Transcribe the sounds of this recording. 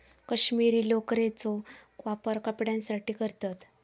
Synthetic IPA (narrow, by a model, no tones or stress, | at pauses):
kəɕmiɾiːlokɾet͡sɔkʋapəɾkəpɽjãnsaʈiːkəɾt̪at̪